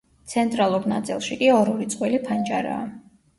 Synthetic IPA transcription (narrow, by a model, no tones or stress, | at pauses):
t̪sʰɛnt̪ʼɾalˠuɾna̰t̪sʼḭlˠʃikʼiɔɾɔɾit̪sʼqʼwilipʰand͡ʒaɾa̰ː